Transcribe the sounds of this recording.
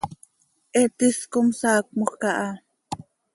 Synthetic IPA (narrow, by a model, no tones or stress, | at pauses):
ʔɛt̪iskomsɑːk̚moxkɑʔɑ